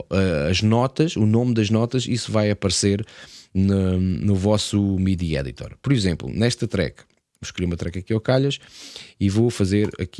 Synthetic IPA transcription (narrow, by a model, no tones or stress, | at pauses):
ʔɐɐʒnɔt̪ɐʃunomd̪ɐʒnɔt̪ɐʃisuvajɐpɐɾseɾnɐnuvɔsumiðiɛ̰ðḭt̪ɔ̰ɾpɔɾizẽmplˠṵnɛʃt̪ɐt̪ɾɛ̰kɐ̥ | buʃkɾijumɐt̪ɾɛkɐkiɔkaʎɐʃivofɐzeɾɐ̰k